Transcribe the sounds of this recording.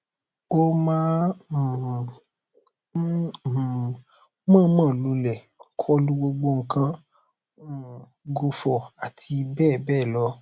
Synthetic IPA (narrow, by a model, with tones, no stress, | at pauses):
o˦mãː˦˨˦ | mãː˦mã˦˨lo˧˦lɛ˨kʰɔ˦lu˦ɡ͡bo˧ɡ͡bo˧ŋ̩˨kã˦˨ | ɡo˧fɔ˨a˨tʰi˧bɛː˦˨bɛː˦˨lɔ˧˦